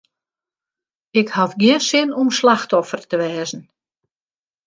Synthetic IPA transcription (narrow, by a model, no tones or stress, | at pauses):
ɪkhafɡjɪənsɪnɔmslaxtɔfərtəʋɛːzn̩